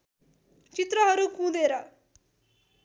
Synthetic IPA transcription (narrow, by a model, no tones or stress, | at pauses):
t͡ʃɪt̪ɾaɦaɾokũːd̪eːɾa